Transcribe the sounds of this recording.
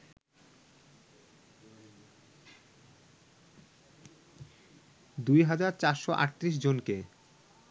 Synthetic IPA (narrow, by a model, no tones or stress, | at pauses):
d̪ujɦad͡ʑaɾt͡ɕaɾʃoʔa̰ɾt̪ːɾiʃ̬d͡ʑonke